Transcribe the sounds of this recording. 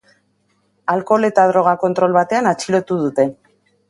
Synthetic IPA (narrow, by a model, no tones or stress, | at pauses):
alko̞le̞t̪að̞ɾo̞ɣ̞ako̞nt̪ɾo̞lβat̪e̞anat͡ʃilo̞t̪uð̞ut̪e̞